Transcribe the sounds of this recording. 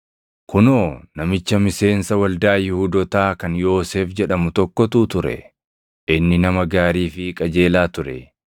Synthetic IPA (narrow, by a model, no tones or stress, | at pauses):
kʊnoːnɐmɪt͡ʃːɐmɪse̞ːnsɐwɐld̪aːjɪhʊd̪ɔt̪aːkɐnjo̞ːseːfd͡ʒɛᶑɐmʊt̪ɔkːɔt̪uːt̪ʊɾɛ̰ | ɪnːɪnɐmɐɡaːɾiːfɪkʼɐd͡ʒeːlaːt̪ʊɾɛ̰